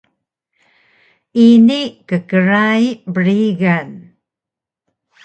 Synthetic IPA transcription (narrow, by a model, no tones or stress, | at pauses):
inikəkəɻaibəɹiɣan